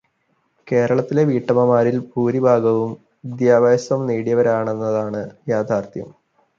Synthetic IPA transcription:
ke̞ːɾɐɭɐt̪ːile̞ʋiːʈːɐmɐmaːɾilpuːɾibʱaːɡɐʋum | id̪jaːbaːsɐmniːɽijɐʋɐɾaːɳe̞nːɐðaːɳɨjaːd̪ʰʱaːrt̪ʰjɐm

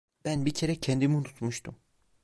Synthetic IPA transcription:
b̥ænbicʰeɾɛcʰɛnd̪imunut̪ʰmuʃt̪ʰum

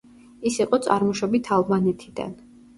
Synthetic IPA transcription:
isiqʼɔt̪sʼa̰ɾmɔʃɔbit̪ʰalˠbanɛt̪ʰid̪a̰n

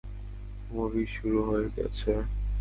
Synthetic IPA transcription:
mobiʃuɾuɦoeɾɡɛ̰t͡ɕʰe

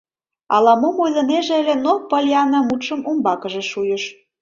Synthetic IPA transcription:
ɑ̰lɑmomojzɤ̆neʒĕəlʲĕnopəlʲjɑnɑmut̪ʃə̆mumbɑkəʒĕʃujəʃ

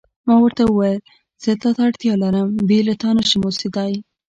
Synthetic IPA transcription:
mɑwəɾt̪awəwajəl | z̥ət̪ɑt̪aːɽt̪jɑlaɾəmbelat̪ɑnaʃɪmosid̪ɑj

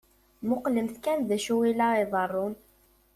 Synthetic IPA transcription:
mʊqləmθkænðæʃuwilaiðˤɑrˤːʊn

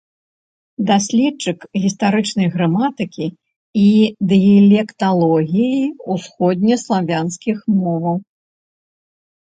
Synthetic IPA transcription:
d̪asʲlʲɛt͡ʂɨkɣʲist̪aɾɨt͡ʂnɐjɣɾamat̪ɨkʲi | id̪ɨilʲɛkt̪alˠɔɣʲijiusxɔd̪ʲnʲɐslˠavʲanskʲixmɔvɐw

